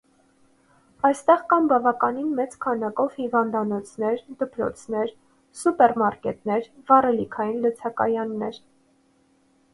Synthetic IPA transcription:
ɑjst̪ɛʁkɑmbɑvɑkɑninmɛt͡skʰɑnɑkɔvhivɑnd̪ɑnɔt͡sʰnɛɾd̪əpɾɔ̰t͡sʰnɛɾ | supɛɾmɑɾkɛt̪nɛɾvɑrɛlikʰɑjinlət͡sʰɑkɑ̰jɑnːɛɾ

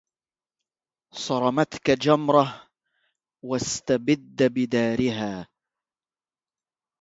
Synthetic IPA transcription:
sˤɑɾˤɑmat̪kad͡ʒamɾˤɑh | wast̪abɪd̪ːabɪd̪aːɾɪɦaː

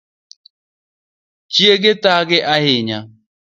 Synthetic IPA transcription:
t͡ʃieɡɪtaɡɪʔaɦɪɲa

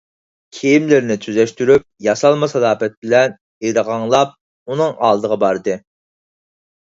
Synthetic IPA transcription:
kʲʰejimlɪɾnɪt̪ʰyzɛʃt̪yɾyp̚jɑsɑlˠmɨsɑd̪ɑːpɛt̪̚bɪlɛn | eɾəʁɑŋlˠɑp̚ | unɨŋɑ̰ːlˠd̪əʁɑbɑɾd̪ɨ

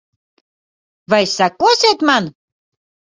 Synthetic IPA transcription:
vajsɑkːoset̪mɑn

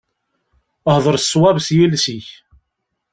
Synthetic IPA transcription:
əhðˤəɾsːwæbsjilsiç

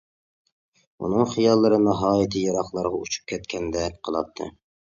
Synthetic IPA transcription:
ṵnɨŋχijɑlˠːɨɾɨnɑɦɑːjɪt̪ʰɨjɑɾɑχlˠɑɾʁɑut͡ʃʰu̥p̚kʲʰɛt̪kʲʰɛnd̪ɛqʰəlˠɑ̰p̚t̪ʰːɨ̰

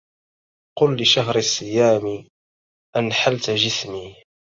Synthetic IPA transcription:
qʊlːɪʃaɦɾɪsˤːɪjaːmɪ | ʔanħalt̪ʒɪsmiː

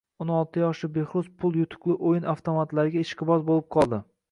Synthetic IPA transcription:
onɒlˠt̪ʰɪjɒʃɪbe̞χɾʊzpʰʊlˠjʊt̪ʰʊ̥kʲlˠɪʔojɪnaft̪ʰomat̪laɾɪɡʲaɪʃqɨbɒzbolˠɪp̚qʰɒlˠd̪ɪ

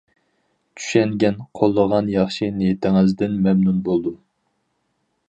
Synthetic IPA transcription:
t͡ʃʰy̥ʃɛŋɡʲɛnqʰolˠːəʁɑnjɑχʃinejt̪ʰɪŋɪzd̪ɪnmɛmnunbolˠd̪u

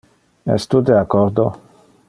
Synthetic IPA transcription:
ɛ̰st̪ud̪eakɔɾd̪o

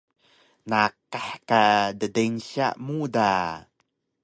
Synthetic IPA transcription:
nakaħkadədenɕa̰ʔmuda

